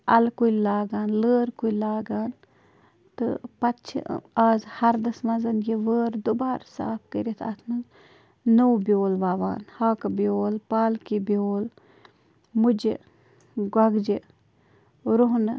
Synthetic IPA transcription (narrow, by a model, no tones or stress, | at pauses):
ɐlkujlaːɡaːnləːɾkulaːɡaːn | t̪ɨpɐtt͡ʃʰḭaːzhɐɾd̪ɐsmɐzɐnjeʋəːɾd̪ubaːɾsa̰ːp̚ʰkəɾit̪ʰɐ̰t̪ʰnɨ | nowbʲjoːlʋaːʋa̰ːnhaːkɐbjoːlpaːlkibioːl | mud͡ʒe | ɡɐɡd͡ʒe | ɾoɦnɨ